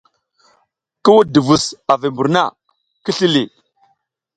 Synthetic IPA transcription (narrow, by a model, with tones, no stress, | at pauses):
ki˦wu˦di˨vu˨sa˨vi˨mbu˨ɾna̰˦˨ | ki˦ɬi˦li˨